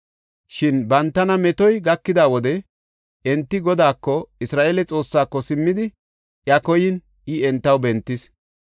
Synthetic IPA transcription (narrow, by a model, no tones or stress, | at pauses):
ʃɪnbɐnt̪ːɐnɐmɛt̪ɔjɡɐkːɪd̪aːwɔd̪ɛ | ʔɛnt̪ːɪɡɔd̪aːkːɔɪsɾaːʔeːlɛt͡sʼo̞ːsːaːkːɔsɪmːɪd̪ɪ | ʔjɐkɔjɪn | ɪɛnt̪ːɐwbɛnt̪ːɪs